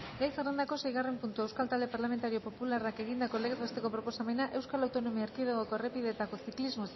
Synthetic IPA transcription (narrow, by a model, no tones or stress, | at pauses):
ɡejserend̪ako̞se̞jɣare̞mpunt̪ue̞wskalt̪ald̪e̞paɾlame̞nt̪aɾio̞po̞pularake̞ɣind̪ako̞leɣet̪βe̞st̪e̞ko̞pɾo̞po̞same̞naʔe̞wskalawt̪o̞no̞miaeɾkiðoɣoko̞erepiðe̞t̪ako̞siklizmo̞s